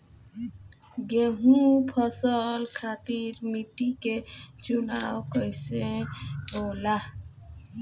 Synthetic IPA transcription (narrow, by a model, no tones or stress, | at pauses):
ɡeɦũpʰəsəlkʰat̪iɾmiʈiket͡ʃunawkəjsẽbola